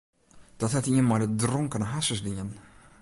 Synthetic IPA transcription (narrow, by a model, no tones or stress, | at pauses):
d̥ɔthatiənmajdədrɔŋkənɦasəsdiən